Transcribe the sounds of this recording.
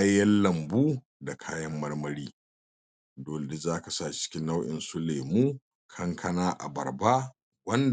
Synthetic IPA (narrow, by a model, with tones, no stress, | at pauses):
a˦jɐ˦llɐ˨mbuː˦ | da˨kʰaː˦jɐ˦mːɐ˦rmɐ˦ɽiː˦ | doː˨le˨dɪ˦zaː˦ka˨sa˦˨t͡ʃɪ̥˦kʲɪ˦nːa˦wʔɪ̰˨nsʊ˦le˨muː˦ | kʰɐ˦ŋkʰɐ˦naː˦ʔa̰˨bɐ̰˨rba˦ | wɐ˦nd